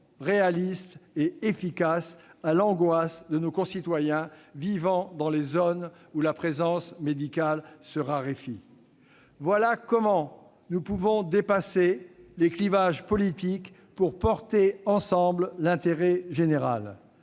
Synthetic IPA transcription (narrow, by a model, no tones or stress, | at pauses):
ʁealist̪eefikasalɑ̃ɡwasd̪ənokɔ̃sit̪wajɛ̃vivɑ̃d̪ɑ̃lezon | ulapχezɑ̃smed̪ikʲalsəʁaʁefi | vwalakɔmɑ̃ | nupuvɔ̃d̪epaseleklivaʒpɔlit̪ik | puʁpɔʁt̪eɑ̃sɑ̃bllɛ̃t̪eʁɛʒeneʁa̰l